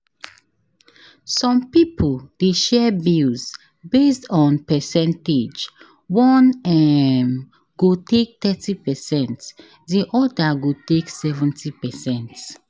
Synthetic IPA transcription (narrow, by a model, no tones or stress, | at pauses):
sɔ̃mpipʰold̥eʃɛbilz | bestɔ̃npɛsɛ̃nted͡ʒ | wɔ̃nɛm | ɡotek̚t̪ɛtipɛsɛ̃nt | diʔɔdaɡoteksɛvɛ̃ntʰipɛsɛ̃nt